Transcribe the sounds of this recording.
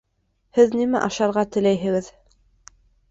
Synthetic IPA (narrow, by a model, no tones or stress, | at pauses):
hɘðnimæ̰ʔɑʃɑɾʁɑt̪ɘ̆læjɦɘ̆ɡɘð